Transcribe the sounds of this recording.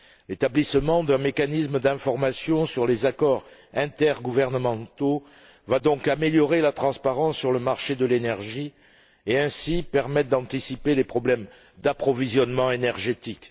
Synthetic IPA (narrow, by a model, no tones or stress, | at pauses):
let̪ablisəmɑ̃d̪ɛ̃mekanisməd̪ɛ̃fɔʁmasjɔ̃syʁlezakɔʁɛ̃t̪ɛʁɡuvɛʁnəmɑ̃t̪o | vad̪ɔ̃kameljɔʁelat̪χɑ̃spaʁɑ̃sːyʁləmaʁʃed̪əlenɛʁʒi | eɛ̃sipɛʁmɛt̪̚d̪ɑ̃t̪isipelepχɔblɛm | d̪apχɔvizjɔnmɑ̃enɛʁʒet̪ik